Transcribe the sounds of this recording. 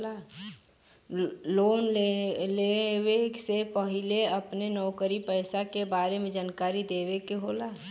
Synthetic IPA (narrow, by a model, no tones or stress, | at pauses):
a | loːnlewesepəɦɪleɐpnenɔːkəɾipəɪsakebaːɾemẽd͡ʒaːnkaːɾid̪eːʋekeɦoːlaː